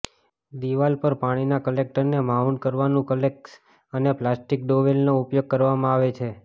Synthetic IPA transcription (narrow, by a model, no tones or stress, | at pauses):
d̪iʋalpəɾpaɽ̃inakəlek̚ʈəɾnemaɦunkəɾʋanũkəleks | əneplasʈik̚ɖoʋelnoupjoɡ̚kəɾʋamãaʋet͡ʃʰe